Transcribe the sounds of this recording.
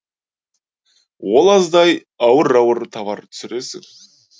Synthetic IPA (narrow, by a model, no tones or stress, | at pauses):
wolˠɑzd̪ɑj | ɑwəɾɑwəɾt̪ʰɑvɑɾt̪ʰʏ̥sɪɾe̞sɪ̰ŋ